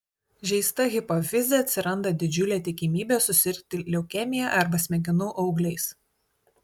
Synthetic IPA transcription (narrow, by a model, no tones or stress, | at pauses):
ʒʲɛɪst̪ɐɣʲɪpɔʋʲɪzʲeɐt̪ʲsʲɪɾɐnd̪ɐd̪ʲɪd͡ʒʲʊlʲeːt̪ʲɪkʲɪmʲiːbʲeːsʊsʲɪɾʲkt̪ʲɪlʲɛʊkʲɛmʲɪjɛʔɐɾbɐsʲmʲɛɡʲɪnʊʔɐʊɡlʲɛɪs